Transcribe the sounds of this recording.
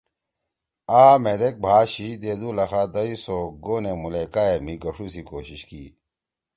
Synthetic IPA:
aːmed̪ek̚bʱaːɕid̪eːd̪ulɐxad̪ɐisoːɡoːnemulekaːemiɡɐʂʰusikoːɕiɕkḭː

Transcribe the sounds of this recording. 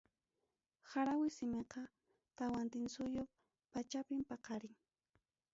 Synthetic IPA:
xaɾawɪsɪmeqɑ | t̪awant̪ɪnsʊjo | pat͡ʃapɪmpɑqɑɾɪŋ

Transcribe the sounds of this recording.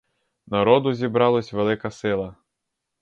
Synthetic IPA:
nɐɾɔd̪ʊzʲibɾɑlˠɔsʲʋelˠɪkɐsɪlˠɐ

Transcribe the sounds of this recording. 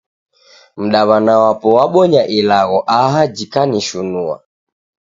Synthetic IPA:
m̩ɗaβanawapɔwaɓɔɲaʔilaɣɔʔaɦad͡ʒikaniʃunua̰

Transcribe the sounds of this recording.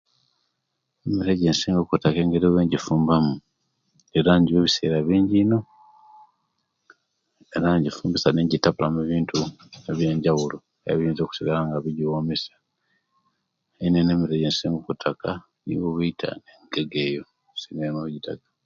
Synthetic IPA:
emiɾeɟeːnsiːŋɡokutakeːŋɡeɾiweːɲɟifuːmbamu | e̞ɾaɲɟiβeβise̞̰ːɾaβiːɲɟino̞ | eɾaɲɟifuːmbisaneɲɟitapulameβiːntʰueβje̞ːɲɟawulo | ja̰βiːnzoku̥siɡalaŋɡaβiɟiwoːmisḁ | einenemiɾeɟensiːŋɡokutʰaka | nḭwoβuitʰa̰neŋɡeɡe̞jo | sinenouɟitakḁ

